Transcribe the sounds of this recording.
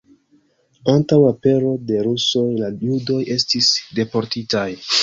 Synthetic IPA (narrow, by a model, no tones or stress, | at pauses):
antawape̞ɾo̞de̞ɾuso̞jlajudo̞je̞stisde̞po̞ɾtitaj